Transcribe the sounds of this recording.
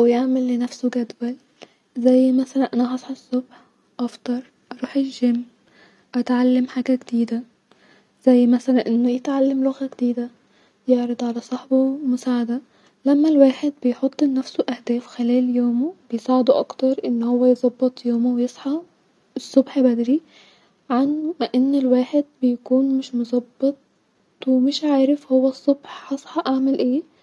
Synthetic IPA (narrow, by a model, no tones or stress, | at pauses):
ʔæwjeʕmælːenæfsoɡæd̪wæl | zæjːmæsælænʔænæhɑsˤħesˤːobħ | ʔɑft̪ˤɑɾˤ | ʔɑɾˤuːħeʒemː | ʔæt̪ʕalːamħaːɡæɡd̪iːd̪æ | z̥æjːmæsælænʔenːojet̪ʕalːamloɣæɡed̪iːd̪æ | jeʕɾɑd̪ˤʕalæsˤɑħbomʊsaːʕad̪æ | læmːælwaːħed̪̚bɪjħot̪ˤːnːæfsoʔaæhd̪æːfxɪlæːljoːmobɪjsaːʕɪd̪oʔɑ̰kt̪ɑɾˤʔɪnːhowːæjzˤɑbːɑt̪ˤjoːmowjesˤħɑ | ɪsˤːobħbæd̪ɾi | ʕanmʔɪnːelwaːħed̪̚bɪjkuːnmɪʃmʊzˤɑbːɑt̪̚ˤ | wemɪʃʕaːɾɪfhowːæsˤːobħħɑsˤħɑʔaʕmelʔeː